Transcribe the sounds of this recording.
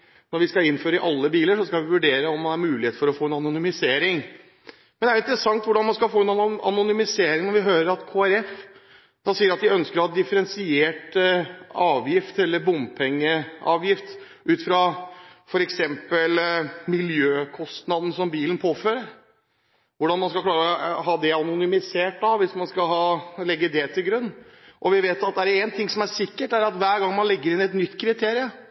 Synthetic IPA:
nɔɾʋɪskɑɪnføːɾəɪʔɑlːəbiːləʂɔskɑʋɪʋʉɖeːɾəɔmːɑnæɾmʉːlɪeːt̪fɔɾɔfoːɛnɑnʊnʏmɪseːɾɪŋ | mɛnɛæɾɪnt̪əɾəsɑŋt̪ʋʊɖɑnmɑnskɑlfoːɛnnɑ̰nʊnʏmɪseːɾɪŋnɔɾʋɪɦøːɾəɾɑt̪kʰoːæɾɛf | d̪̥ɑsiːəɾɑt̪ʋɪœnskəɾɑd̪ɪfəɾɛnsɪeːʈ | ɑːʋjɪft̪ɛlːəɾbʊmpʰɛŋːəɑ̰ːʋjɪft̪ | ʔʉːt̪fɾɑfɔɾɛksɛmpəlmɪljøːkʰɔst̪nɑd̪nəsɔmbiːlən̩pʰoːføːɾəɾ | ʋʊɖɑnmɑnskɑlklɑːɾəɔɦɑːd̪ɛɑnʊnʏmɪseːʈɑʋʋɪsmɑnskɑɦɑːlɛɡːəd̪ɛt̪ʰɪlɡɾʉnːʔɔʋɪʋeːt̪ɑt̪̚d̪ɛæɖɛnt̪ʰɪŋsɔmæɾsɪkːəʈæɾɑt̪ʋæːɾɡɑŋːmɑnlɛɡːəɾɪnɛt̪nʏt̪ːkʰɾɪt̪ʰeːɾɪə

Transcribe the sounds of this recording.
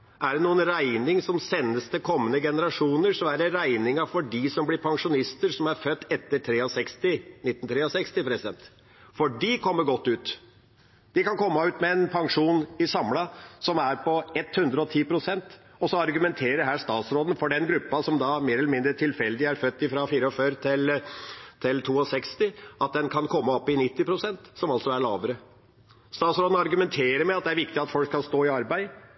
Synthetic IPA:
ʔæɖɛnuːənɾæɪnɪŋsɔmsɛnːəst̪əkʰɔmːənəɡɛnəɾɑʂuːnəɾsɔmæɾɛɾæɪnɪŋɑfɔɖisɔmblɪɾpʰɑŋʂʊnɪst̪əɾʂɔmæɾfœt̪ːɛt̪ːəʈʰɾeːɔsɛkst̪ɪnɪt̪ːənt̪ʰɾeːɔsɛkst̪ɪpʰɾɛsɪd̪ɛnt̪ | fɔɖikʰɔmːəɾɡɔt̪ːʉːt̪ | d̪̥ɪkɑnkʰɔmːɑʉːt̪mɛɛnpʰɑŋʂuːnɪsɑmːlɑsɔmæɾpʰɔɛt̪hʉnd̪ɾəɔt̪ʰiːpʰɾʊsɛnt̪ | ɔsɔɑɾɡʉmɛnt̪ʰeːɾəɦæːʂt̪ɑːt̪sɾoːd̪n̩fɔɖɛnɡɾʉpːɑsɔmd̪ɑmeːɾɛləmɪnd̪ɾəʈʰɪlfɛld̪ɪæɾfœt̪ːɪfɾɑfiːɾəɔføːɾt̪ʰɪl | t̪ʰɪlt̪ʰuːɔsɛkst̪ɪɑt̪̚d̪ɛnkʰɑnkʰɔmːɑɔpːɪnɪt̪ːɪpʰɾʊsɛnt̪sɔmɑlsɔæɭɑːʋəɾə | st̪ɑːt̪sɾoːd̪n̩ɑɾɡʉmɛnt̪ʰeːɾəɾmɛɑt̪̚d̪ɛæɾʋɪk̚t̪ɪɑt̪fɔlkːkɑlst̪oːɪɑɾbæɪ

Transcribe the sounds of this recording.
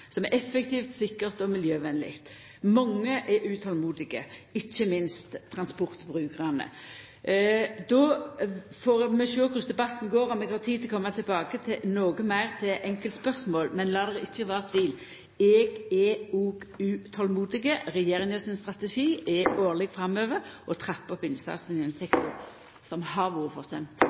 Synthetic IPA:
sɔmɛʔɛfːək̚t̪ʰiːft̪sɪkːəʁt̪ɔmɪljøːʋɛnlɪ̰kt̪ | mɑŋːəʔɛʔʉːt̪ʰɔlmuːd̪ɪɡə̰ɪçːəmɪnst̪ʰːɾʁɑnspʊʁt̪bʁʉːkʰəʁɑnə̰ | d̪ɔ | foːɾmɛʃøːkʰʉsd̪ɛbɑt̪ːnɡoːɾɔmɛɡhɑt̪ʰiːt̪ʰkʰɔmːɑt̪ʰɪlbɑːɡət̪ʰɪnoːɡəmæɪʁt̪ʰɪʔɛŋkəlt̪spœʁsmoːlmɛnlɑːd̪ɛʁəɪçːəʋɑːʁt̪ʰʋɪl | ɛːɡɛuːɡʉt̪ʰɔlmuːd̪ɪɡəʁɛjeːɾɪŋəsɪnst̪ʁɑt̪əʃiːɛoːʁlɛɡfɾɑmːøːʋəɾʔɔt̪ʰʁɛpːɔpɪnsɑ̰snɪɛnsɛkt̪ʊ̰ʁ | sɔmhɑʋuːəfɔʁsɛmt̪

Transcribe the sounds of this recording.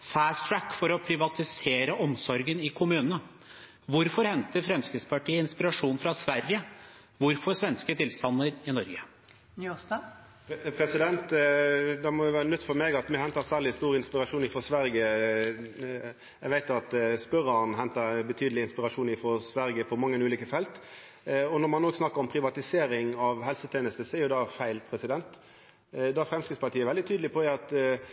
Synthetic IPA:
fæːst̪ʰɾækːfɔɾɔpʰɾɪʋɑt̪ɪseːɾəʔɔmsɔɾɡənɪkʰʊmʉːnənə | ʋʊɾfɔɾhɛnt̪əɾfɾɛmskɾɪd̪spɑʈʰiːəɪnspɪɾɑʂuːnfɾɑsʋæɾjə | ʋʊɾfɔɾsʋɛnskət̪ʰɪlst̪ɑnːəɾɪnɔɾɡə | nst̪ɑ | pʰɾɛsɪd̪ɛnt̪d̪ɛmɔjʊʋæːɾənœt̪ːfɔɾmeːɡɑt̪mɛhɛnt̪əsæːʁlɪst̪uːɾɪnspɪɾɑʂuːnɪfɔsʋæɾɡə | ɛɪɡʋæɪt̪ɑt̪spœɾənɦɛnt̪əɾbət̪ʰyːd̪əlɪɪnspɪɾɑʂuːnɪfɔsʋæɾɡəpʰɔmɑŋːənʉːliːkəfɛlt̪ | ɔnɔɾmɑnːoːɡsnɑkːəɾɔmpʰɾɪʋɑt̪ɪseːɾɪŋɑʋɦɛlsət̪ʰeːnəst̪əsɔɛɾjʊd̪ɑfæɪlpʰɾɛsɪd̪ɛnt̪ | d̪ɑfɾɛmskɾɪit̪spʰɑʈ̪ʰiːəʋɛld̪ɪt̪ʰyːd̪lɪpʰɔd̪ɛɑt̪

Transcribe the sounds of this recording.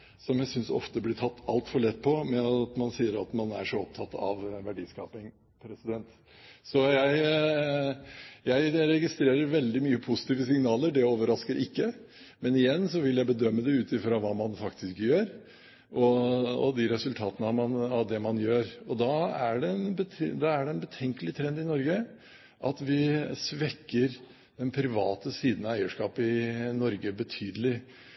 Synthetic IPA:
sɔmjæɪsʏnsɔ̰ft̪əblɪʈ̪ʰɑt̪ːɑlt̪fɔɭɛt̪ːpʰɔmɛɑt̪mɑnsiːəɾɑt̪mɑnæ̰ʂɔɔp̚t̪ʰɑt̪ːɑ̰ʋʋæɖiːskɑːpɪŋ | pʰɾɛsɪd̪ɛnt̪ | sɔjæɪ | jæɪɾɛɡɪst̪ɾeːɾəɾʋɛld̪ɪmyːəpʰʊsɪ̥t̪ʰiːʋəsɪŋnɑːləɖɛoːʋəɾɑskəɾʔɪkːə | mɛnɪjɛnːsɔʋɪljæɪbəd̪œmːəd̪ɛʉːt̪ɪfɾɑʋɑːmɑnfɑkt̪ʰɪskjøːɾ | ʔɔɔ̰d̪ɪɾɛsʉlt̪ʰɑːt̪ənəɑmɑnɑʋd̪ɛmɑnjøːɾɔd̪ɑæɖɛnbət̪ʰd̪ɑæɖɛɛnbət̪ʰɛŋkəlɪt̪ʰɾɛnd̪ɪnɔɾɡə | ʔɑt̪ʋɪsʋɛkːəɾ | d̪̥ɛnpʰɾɪʋɑːt̪əsiːd̪nɑæɪəʂkɑːpɪnɔɾɡəbət̪ʰyːd̪əlɪ

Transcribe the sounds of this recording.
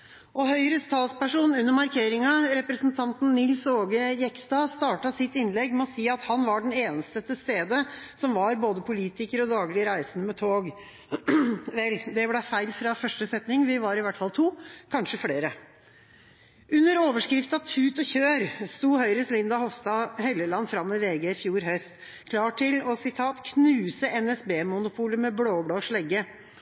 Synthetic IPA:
ʔɔɦœʏɾəst̪ʰɑːlspæʂuːnʉnːəɾmɑɾkʰeːɾɪŋɑɾɛpɾəsnt̪ʰɑnt̪n̩nɪlsoːɡəjɛkst̪ɑːst̪ɑːʈɑsɪt̪ːɪnlɛɡmɛɔsiːɑt̪hɑnʋɑɖɛneːnəst̪ət̪əst̪eːd̪əsɔmʋɑɾboːd̪əpʰʊliːt̪ɪkəɾɔd̪ɑːɡlɪəɾæɪsənəmɛt̪ʰoːɡ | ʋɛld̪ɛblæfæɪlfɾɑfœʂʈəsɛt̪nɪŋʋɪʋɑɾɪʋæʈːfɑlt̪ʰuːkʰɑnʂəfɽeːɾə | ʉnːəɾoːʋəʂkɾɪft̪ɑt̪ʰʉːt̪ɔçøːɾst̪uːhœʏɾəslɪnd̪ɑhɔʋst̪ɑːhɛlːəlɑnːfɾɑmːɪʋeːɡeːɪfjuːɾɦœst̪ | kʰlɑːʈʰːɪlɔsɪt̪ʰɑːt̪kʰnʉːsəʔɛnɛsbeːmʊnʊpʰuːləmɛbloːbɽoːʂɭɛɡːə

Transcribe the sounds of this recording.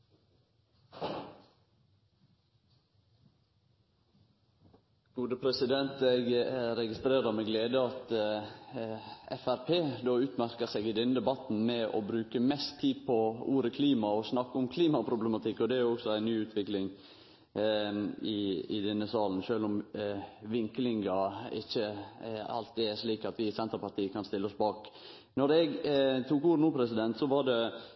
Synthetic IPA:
ɡ̥uːd̪əpʰɾɛsɪd̪ɛnt̪ɛɡɾɛɡɪst̪ɾeːɾɑmɛɡleːd̪əɑt̪ | ɛ̰fæɾpʰeːd̪oːʉːt̪mæɾkəseɡɪd̪ɛnd̪ɛbɑt̪n̩mɛɔ̰bɾʉːkəmɛst̪ʰːiːpʰɔuːɾəkʰliːmɑɔsnɑkːəʊmkʰliːmɑpʰɾʊblɛmɑt̪ʰɪkːɔd̪ɛæɾjʊɔksɔæɪnyːʉːt̪ʰʋɪklɪŋ | ɪɪ̰d̪ɛnːəsɑːln̩ʃøːlʊm | ʋɪŋklɪŋɑɪ̰çːəɑ̰lt̪̚d̪ɛæʂliːkɑt̪ʋɪsɛnt̪ɾəpɑɾt̪iːəkʰɑnst̪ɪlːəɔsbɑːk | nɔɾɛɡt̪ʰuːkuːɾnuːpʰɾɛsɪd̪ɛnt̪sɔʋɑɾɖɛ

